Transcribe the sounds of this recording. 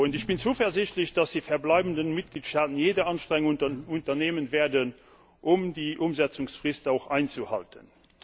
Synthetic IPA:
undəɕb̥int͡suːfɛɐzɪɕtləɕd̥ɑsd̥iːfɛɐblɑɪbəndənmit̚ɡ̥liːtʃtaːtənjeːdɐʔɑnʃtʁɛŋuntɐneːmənveːɐdən | ʔumdiːʔumzæt͡sʊŋsfʁistaʊχaɪnt͡suhɑ̰ltʰə̰n

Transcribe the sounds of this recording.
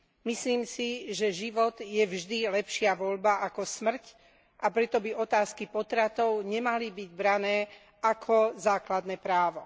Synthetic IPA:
misliːmsiʒɛʒiʋɔd̪jɛvʒd̪ilɛpʃɪaʋɔʎbaʔakɔsmr̩c | ʔapɾɛt̪ɔbiɔt̪aːskipɔt̪ɾat̪ɔʊɲɛmalibiɟbɾanɛː | akʰɔzaːklad̪nɛːpɾaːʋɔ

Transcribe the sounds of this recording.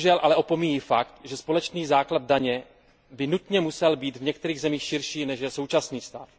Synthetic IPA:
ʒɛlʔalɛʔo̞po̞mijiːfakt̪ʒɛspo̞lɛt͡ʃniːzaːklad̪̚daɲɛ | bɪnut̪ɲɛmusɛlbiːt̪vɲɛk̚t̪ɛɾiːɣzɛmiːxʃɪɾʃiːnɛʃjɛso̞wt͡ʃasniːst̪a̰ːf

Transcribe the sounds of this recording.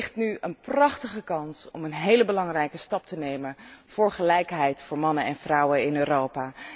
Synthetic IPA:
χtnyənprɑχtəχəkɑnsɔmənɦejləbəlɑŋrɛjkəstɑp̚tənejmənv̥ʊːɹχəlɛjkɦɛjtfʊːɹmɑnənɛnv̥rɑwəɪnøːrowpaː

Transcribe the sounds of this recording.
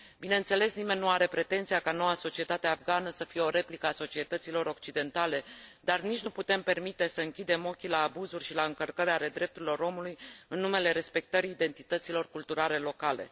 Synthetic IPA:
bineɨnt̪se̞le̞snime̞nːuaɾe̞pɾe̞t̪e̞nt̪sijakano̞waso̞t͡ʃie̞t̪at̪eafɡanəsəfije̞o̞ɾe̞plikəaso̞t͡ʃie̞t̪ət̪silo̞ɾo̞k̚t͡ʃid̪e̞nt̪ale̞d̪arnit͡ʃnuput̪e̞mpe̞rmit̪e̞səɨŋkʲid̪e̞mo̞kʲilaːbuzurʲʃilaɨŋkərkəɾeale̞d̪ɾe̞p̚t̪uɾʲilo̞ɾo̞mulujɨnːume̞le̞ɾe̞spe̞k̚t̪əɾiːd̪e̞nt̪it̪ət̪silo̞rkult̪uɾale̞lo̞kale̞̰

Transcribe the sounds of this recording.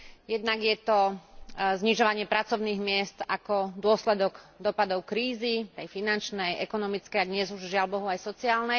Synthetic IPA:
jɛd̪̚naɡjɛt̪ɔ | zɲiʒɔʋaɲɪɛpɾat͡sɔʊniːɣmɪɛst̪akɔd̪ʊɔslɛd̪ɔɡd̪ɔpad̪ɔʊkɾiːzit̪ɛjfinant͡ʃnɛjʔɛkɔnɔmit͡skɛjad̪ɲɛzuʒʒɪalbɔɦuajsɔt͡siaːlnɛ

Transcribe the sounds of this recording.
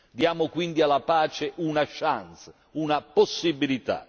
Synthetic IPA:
d̪jaːmʊkwind̪ialapaːt͡ʃɪʔunaʃant̪s | unaposːibilit̪a̰

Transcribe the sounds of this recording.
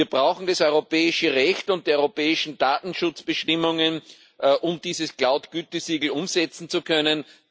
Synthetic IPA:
iːɐb̥ʁaʊxn̩d̥asɔʏʁopʰɛːɪʃəʁɛçtʊnt̚d̥eːɐɔʏʁopɛːɪʃn̩d̥aːtn̩ʃʊt͡sb̥əʃtɪmʊŋən | ʔʔʊmd̥iːzəsklaʊtɡ̥yːtəsiːɡl̩ʊmzɛt͡sn̩t͡sukʰœnən

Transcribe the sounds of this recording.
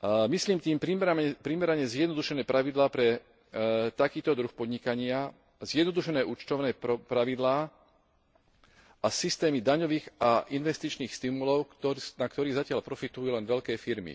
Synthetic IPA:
misliːmt̪iːmpɾimɾaɛpɾimɛɾaɲɛzjɛd̪nɔd̪uʃɛnɛːpɾʔaʋid̪laːpɾɛ | t̪akiːt̪ɔd̪ɾuxpɔd̪ɲikaɲɪa | zjɛd̪nɔd̪uʃɛnɛːʔuːt͡ʃt̪ɔʊnɛːpɾaʋid̪laː | ʔasist̪ɛːmid̪aɲɔʋiːɣaʔinʋɛst̪it͡ʃniːxst̪imulɔʊkt̪ɔnakt̪ɔɾiːzacɪalpɾɔfit̪ujulɛnʋɛʎkɛːfiɾmḭ

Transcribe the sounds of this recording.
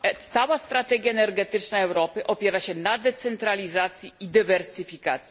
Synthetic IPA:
t̪sawast̪ɾat̪ɛɡʲjaɛnɛɾɡɛt̪ɘt͡ʂnaɛwɾɔpɘʔɔpʲjɛɾaɕɛnad̪ɛt̪sɛnt̪ɾalʲizat̪sʲjiid̪ɘvɛɾsɘfʲikat̪sj

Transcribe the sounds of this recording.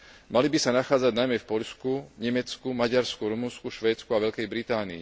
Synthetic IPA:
malibisanaxaːd͡zaɟnajmɛfpɔʎskuɲɛmɛt͡skumaɟaɾskuɾumunskuʃʋɛːt͡skuaʋɛʎkɛjbɾit̪aːniḭ

